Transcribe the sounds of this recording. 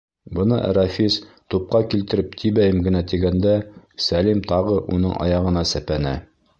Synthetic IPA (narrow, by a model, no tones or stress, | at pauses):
bɤ̆nɤʔæ̰ɾɑfʲis | t̪up̚qɑkilt̪ɘ̆ɾɘp̚t̪ʰibæjɘmɡɘ̆næt̪iɡænd̪æsælimt̪ɑʁɤʔṵnɤɴʔɑ̰jɑʁɤ̆nɑsæpænæ̰